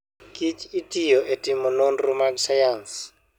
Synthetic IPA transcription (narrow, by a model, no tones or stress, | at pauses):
kʼit͡ʃʼɪtʼijɔʔetʼɪmʊnon̩rʊmasajan̩sɪ̥